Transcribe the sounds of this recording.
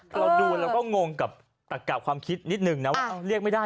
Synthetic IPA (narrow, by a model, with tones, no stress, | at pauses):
ɾa˧wduː˧ɾaː˧wkɔː˥˩ŋo˧ŋka˨˩p̚ | t̪a˨˩k̚kaː˨˩kʰwaː˧mkʰi˦˥t̪̚ni˦˥t̪̚nɯ˨˩ŋna˦˥waː˥˩ʔa˧˩ɾi˥˩ək̚ma˥˩jdaː˥˩